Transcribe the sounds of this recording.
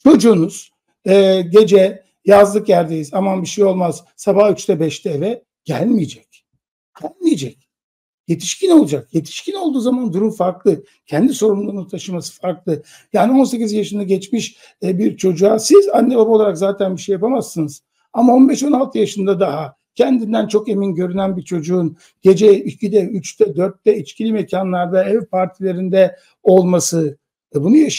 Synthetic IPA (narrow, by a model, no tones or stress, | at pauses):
t͡ʃʰo̞d͡ʒuːnuz̥ | ɛːɟe̞d͡ʒɛ | jazlˠɯkjæɾd̪ejizamanbiʃejo̞lˠmaz̥ | sabahyt͡ʃt̪ʰɛbɛʃt̪ʰɛːvɛ | ɟ̥ælʲmijed͡ʒɛc̚ʲ | ɟ̥ælʲmijed͡ʒɛc̚ʲ | je̞t̪ʰi̥ʃcino̞lˠad͡ʒak̚je̞t̪ʰi̥ʃcʰinolˠd̪uːzamand̪uɾumfaɾklˠɯ | cʰɛnd̪iso̞ɾumlˠuɾunut̪ʰaʃɯmasɯ̥faɾklˠɯ | jaːnio̞nse̞c̬ʲizjaʃɯnd̪aɟɛt͡ʃmiʃ | biɾt͡ʃʰo̞d͡ʒuasizanːebabao̞lˠaɾakzaːt̪ʰænbiʃejapamasːɯnɯz̥ | amao̞nbɛʃo̞nalˠt̪ʰɯjaʃɯnd̪ad̪aɦa | cʰɛnd̪ind̪ænt͡ʃʰo̞ke̞minɟø̞ɾynænbiɾt͡ʃʰo̞d͡ʒuːn | ɟe̞d͡ʒɛicʰid̪ɛyt͡ʃt̪ɛd̪øɾt̪ːɛit͡ʃcʲʰilʲimecʰanlˠaɾd̪aɛvpʰaɾt̪ʰilʲe̞ɾind̪ɛ | o̞lˠmasɯ | ɛbunujaʃ